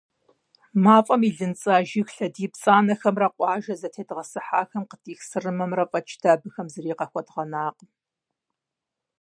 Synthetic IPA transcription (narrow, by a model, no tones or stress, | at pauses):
maːfʼɐmiːɮɨnt͡sʼaːʒixɬɐdiːpt͡sʼaːnɐxɐmrɐqʷʼɑːʒɐzɐtʰeːdʁɐsɨħaːxɐmqətʼiːxsɨrɨmɐmrɐfʼɐt͡ʃʰʼd̥ʰaːbɨxɐmzɨriːqɐxʷɐdʁɐnaːq